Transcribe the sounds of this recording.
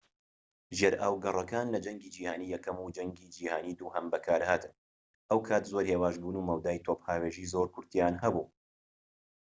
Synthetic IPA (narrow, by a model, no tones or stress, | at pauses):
ʒjɛɾʔaːwɡɐrˤɐkaːnlɐd͡ʒɐŋɡiːd͡ʒiːhaːniːjɛkɐmud͡ʒɐŋɡiːd͡ʒiːhaːniːd̪uːhɐmbɐkʰaːɾhaːt̪ɨn | ʔɐwkʰaːt̪zoɾheːwaːʒbuːnuːmɐwd̪aːjt̪ʰophaːweːʒiːzoːɾkʰʊɾt̪ijaːnhɐbuː